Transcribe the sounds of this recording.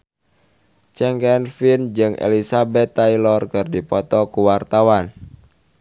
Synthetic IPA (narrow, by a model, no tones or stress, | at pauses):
t͡ʃɛŋkɛnfind͡ʒɨŋʔḛlisabɛt̪ːailɔrkɨrdipɔt̪ɔkuwart̪awan